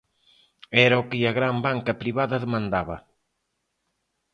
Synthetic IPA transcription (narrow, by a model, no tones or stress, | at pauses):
ɛɾɐokɪɐɣɾambaŋkɐpɾiβaðɐðemãnd̪aβɐ